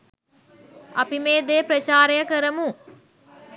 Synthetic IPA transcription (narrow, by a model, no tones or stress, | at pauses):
ɐpimeːd̪eːpɾɐt͡ʃaːɾejəkəɾəmu